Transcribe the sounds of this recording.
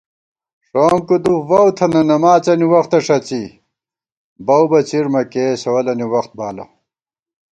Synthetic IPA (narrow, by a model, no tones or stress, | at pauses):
ʂoːmkud̪uvɐwt̪ʰɐnɐnɐmaːt͡sɐniwɐxt̪ɐʂɐt͡si | bɐwbɐt͡siɾmɐkeːsɐwɐlɐniwɐxt̪̚baːlɐ̰